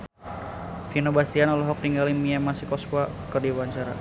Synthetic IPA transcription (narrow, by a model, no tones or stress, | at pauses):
finobast̪ianɔlɛɦɔk̚t̪iŋɡalimiamasikɔskwa | kərdiwaɲt͡ʃaɾa̰